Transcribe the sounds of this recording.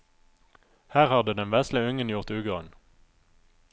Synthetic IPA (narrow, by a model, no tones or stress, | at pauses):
hæːʁhɑd̪əd̪ɛnʋæslɪʉŋənjʊʁt̪ʉːɡɑn